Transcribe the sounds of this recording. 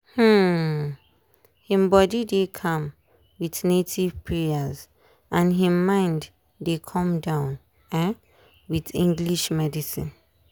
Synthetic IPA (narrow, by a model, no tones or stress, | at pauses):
h̩ | hĩmbɔdidekʰɔ̃m | wiθnetʰivpʰɹɛaz | ʔãnɦĩmːãɪ̃nd | dekʰɔ̃mdãʊ̃n | ɛ̃ | wiθĩŋɡliʃmɛdisḭ̃n